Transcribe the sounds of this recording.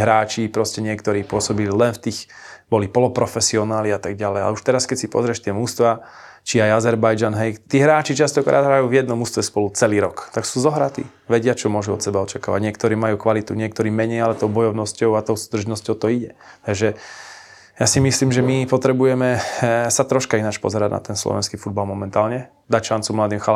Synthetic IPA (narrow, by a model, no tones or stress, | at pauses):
ɦɾaːt͡ʃipɾɔscɛɲɪɛkt̪ɔɾiːpʊɔsɔbililɛnft̪iːxbɔlipɔlɔpɾɔfɛsiɔnaːliat̪aɡɟalɛja̰lɛuʃt̪ɛɾaskɛcsipɔ̰zɾɛʃt̪ɪɛmust̪ʋa | t͡ʃiajazɛɾbajd͡ʒanɦɛjt̪iːɦɾaːt͡ʃit͡ʃast̪ɔkɾʔa̰ːd̪ɦɾajuːvjɛd̪nɔmust̪ʋɛspɔlut͡sɛliːɾɔkt̪aksuːzɔɦɾat̪ḭ | ʋɛɟɪat͡ʃɔmʊɔʒuɔt̪sɛbaɔt͡ʃakaːʋa̰ɟɲɪɛkt̪ɔɾiːmajuːkʋalit̪uɲɪɛk̚t̪ɔɾiːmɛɲɛjalɛt̪ɔʊbɔjɔʊnɔscɔʊat̪ɔʊsuːd̪r̩ʒnɔscɔʊt̪ɔiɟɛ | t̪aɡʒɛ | jasimisliːmʒɛmipɔt̪ɾɛbujɛmɛsat̪ɾɔʃkainat͡ʃpɔ̰zɛɾaɟna̰t̪ɛnslɔ̰ʋɛ̰nskiːfud̪̚balmɔmɛnt̪aːlɲɛ | d̪acʃant͡sumlad̪iːmxa